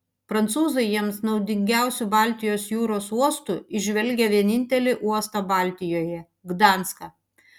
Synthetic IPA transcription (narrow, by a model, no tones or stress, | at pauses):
pɾɐnt̪suːzɐɪjiɛmsnɒʊd̪ʲɪŋʲɡʲæˑʊsʲubɑˑlʲt̪ʲɪjoːsjuːɾoːsuɔst̪uɪʒʲʋʲɛlʲɡʲɛʋʲiɛnʲɪnʲt̪ʲɛlʲɪʔuɔst̪ɑbɑˑlʲt̪ʲɪjoːjɛ | ɡd̪ɑˑnt̪skɐ